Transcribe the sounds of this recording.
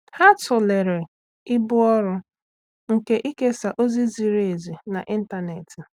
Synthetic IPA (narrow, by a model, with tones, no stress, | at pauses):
ha˦tʊ˨le˨ɾe˨ | ɪ˦bʊ˦ɔ˦ɾʊ˦ | ŋ̩˨ke˦ʔi˦ke˦sa˨ʔo˦zi˦zi˨ɾe˨zi˨na˨ʔi˦n̩˦ta˨ne˨tɪ˨